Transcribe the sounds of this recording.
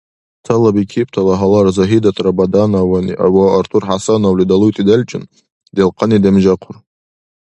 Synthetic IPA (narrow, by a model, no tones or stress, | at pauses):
tʰalabikʲʰip̚ʰʼtʰalaɦalarzaɦidatʼrabadanawanḭʔa̰waartʰurħasanawlidalujtʼidalʲt͡ʃʼɪn | delqʰanidamʒaqʰʊr